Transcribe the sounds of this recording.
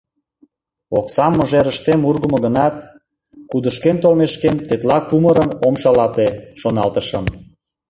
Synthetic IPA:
oksɑmːəʒeɾəʃt̪emurɣəmoɣənɑt̪ | kud̪əʃkent̪olmeʃkent̪et̪lɑkuməɾəmomʃɑlɑt̪eʃonɑlt̪əʃəm

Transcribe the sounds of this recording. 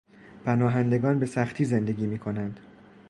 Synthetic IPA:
pʰænɒːɦænd̪e̞ɡɒːnbe̞sæχt̪ʰiːze̞nd̪e̞ɡʲiːmiːkʰo̞nænd̪̥

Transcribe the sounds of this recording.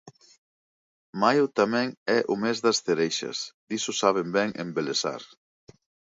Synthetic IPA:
majʊt̪amɛ̃ŋɛʔʊmezðɐsθeɾejʃɐ̰sd̪isʊsaβ̞embɛŋʔḛmbelesa̰ɾ

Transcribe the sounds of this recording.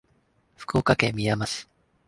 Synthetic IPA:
ɸɯ̥kɯokakemʲijamasɨ̥

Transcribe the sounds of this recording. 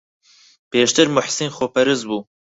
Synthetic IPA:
pʰeːʃt̪ɨɾmʊħsinxopɛɾɨzbuː

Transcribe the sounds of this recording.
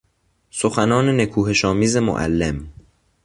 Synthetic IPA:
soxænɒːne̞nekʰuːɦe̞ʃɒːmiːze̞mo̰ʔæ̰lːem

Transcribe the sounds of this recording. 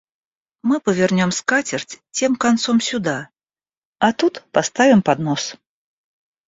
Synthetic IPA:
mɨpəvʲɛrnʲɔmskat͡sʲɪrtʲt͡sʲemkant̪sɔmsʲʊd̪a | at̪ut̪past̪avʲɪmpad̪nɔs

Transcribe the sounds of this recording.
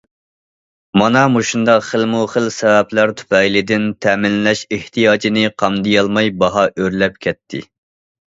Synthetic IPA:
mɑnɑmuʃund̪ɑqχəlmuχəlsɛvɛplæɾt̪ʰu̥pɛjlɪd̪ɪnt̪ʰɛmɪnːɛʃeht̪ʰijɑːd͡ʒinɪqʰɑmd̪ɨjɑlˠmɑjbɑɦɑʔøɾlɛp̚kʲʰɛt̪ʰːɪ̰

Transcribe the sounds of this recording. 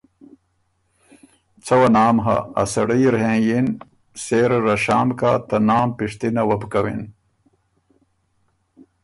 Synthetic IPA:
t͡sʰɐwɐnaːmɦɐ̰ɐ̰sɐɽijɾɦẽjin | seːɾɾɐɕaːmkaːt̪ɐnaːmpiʂt̪inɐwɐbkɐwḭn

